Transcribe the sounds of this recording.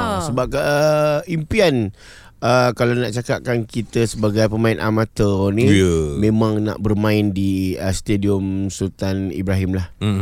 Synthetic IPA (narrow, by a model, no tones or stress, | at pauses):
səbap̚kaʔəimpian | əkalanaʔt͡ʃakaʔ̚kankit̪əsəbaɡajpəmãinʔa̰mat̪əniəmẽmãŋna̰ʔbərmãɪndiəst̪ediɔmsut̪anḭbɾaɦimlah